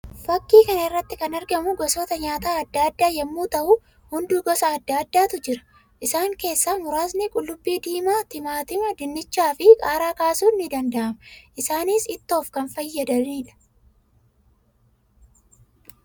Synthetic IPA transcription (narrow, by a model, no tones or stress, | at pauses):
fɐkːiːkɐnɐɪrːɐt̪ːɪkɐnɐɾɡɐmʊɡɔsoːt̪ɐɲaːt̪aːɐd̪ːaːd̪ːaːjɛmːuːt̪ɐʔʊ | hʊnd̪uːɡɔsɐːd̪ːaːd̪ːaːt̪ʊd͡ʒɪɾɐ̥ | ʔɪsaːŋke̞ːsːaːmʊɾaːs̬nɪkʼʊlːʊbːiːd̪iːmaːt̪ɪmaːt̪ɪmɐd̪ɪnːɪt͡ʃːaːfɪkʼaːɾaːkaːsuːnːɪd̪ɐnd̪ɐʔɐmɐʔɪsaːniːsɪt̪ːo̞ːfkɐnfɐjːɐd̪ɐniːᶑɐ̥